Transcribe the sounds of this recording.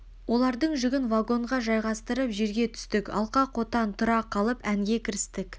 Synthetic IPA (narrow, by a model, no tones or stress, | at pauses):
wo̞lˠɑɾd̪əɴʒʏɡʲɪnvaɡo̞ɴʁɑʒɑjʁɑst̪əɾəpʒe̞ɾɡʲe̞t̪ʰʏ̥st̪ɪkɑ̰lˠqɑqʰo̞t̪ɑnt̪ʰʊɾɑqʰːɑlˠəpæŋɡʲe̞kʲʰɪɾɪst̪ɪk